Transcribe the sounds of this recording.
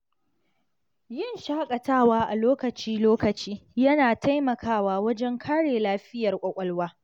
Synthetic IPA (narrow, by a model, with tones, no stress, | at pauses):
jɪ˦nʃaː˦kʼɐ˨taː˦waː˦ʔa˨loː˦kɐ˨t͡ʃiː˦loː˦kɐ˨t͡ʃiː˦jɐ˦naː˨ta˦jmɐ˨kʰaː˦˨waː˦wɐ˦d͡ʒɛ˦ŋkʰaː˦ɽeː˨laː˦ɸɪ˦jɐ˨rkʷʼɐ˨kʷʼɐ˦lwaː˦